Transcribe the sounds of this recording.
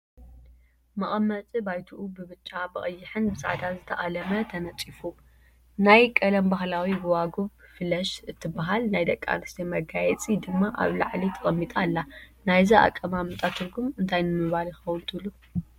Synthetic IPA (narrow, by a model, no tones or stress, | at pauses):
mɐχʼɐmːɐt͡sʼibajt̪ʰuʔubɨβɨt͡ʃʼːabɨχʼɨjːɪħɨnbɨza̰ʕd̪azɨt̪ʰɐʔʼalɐmɐt̪ʰɐnɐt͡sʼifu | najkʼɐlɐmbaɦlawibɨwaɡofɨlɐʃɨt̪ʰːɨbaɦalnajd̪ɐkʼːa̰nɨst̪ʰemɐɡajɛt͡sʼid̪ɨmːaʔa̰βla̰ʕlit̪ʰɨɣʼɐmːit̪ʼalːanajzia̰kʼːɐmamɨt̪ʼat̪ʰɨɾɡumɨnt̪ʰajnɨmɨβaljɪxɐwʊnt̪ʰɨβlu